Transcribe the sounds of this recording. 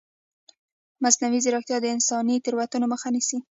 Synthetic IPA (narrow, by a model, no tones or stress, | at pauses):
masnawizeɾoxt̪jɑd̪əɪnsɑnit̪ɪɾwat̪unoməxanisi